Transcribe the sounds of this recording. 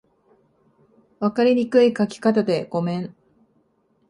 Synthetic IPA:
βakaɾʲiɲ̟ikɯ̟ikakʲi̥kat̪ad̪e̞ɡ̥o̞mẽ̞ɴ

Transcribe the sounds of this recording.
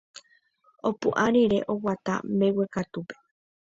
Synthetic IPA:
o̞puʔaɾiɾe̞ʔo̞wat̪a̰mewekat̪upe̥

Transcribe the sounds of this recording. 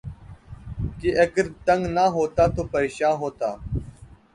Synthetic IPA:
kiʔɐɡəɾt̪ə̃ŋɡnaːɦoːt̪aːt̪oːpəɾeːʃãːnɦoːt̪aː

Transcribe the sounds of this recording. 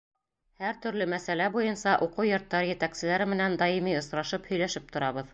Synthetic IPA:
hæɾt̪ɵ̆ɾlɵmæsælæbujɤnsɑʔuqujŏɾt̪ːɑɾjɘ̆t̪æksɘ̆læɾɘmɘ̆nænd̪ɑjimiŏsɾɑʃɤphɵ̆jlæʃɘp̚t̪ŏɾɑβɤð

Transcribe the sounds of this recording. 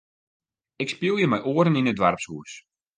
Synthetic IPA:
ɪkspilˠjəmɛjʔoəɾəninədʋarpsɦuːs

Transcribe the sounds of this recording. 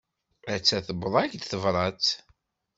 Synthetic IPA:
æt͡sːæθəbðˤæçd̪θəvɾˤɑt͡s

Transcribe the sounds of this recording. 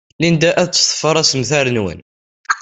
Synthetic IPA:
lind̪æʔæðt͡sːsˤə̥fəɾˤæsəmθæɾənwə̰n

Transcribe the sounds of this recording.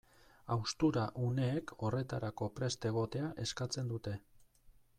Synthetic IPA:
awst̪uɾaʔune̞ːkʰo̞re̞t̪aɾako̞pɾe̞st̪e̞ɣ̞o̞t̪e̞aʔe̞skat͡se̞nd̪ut̪e̞

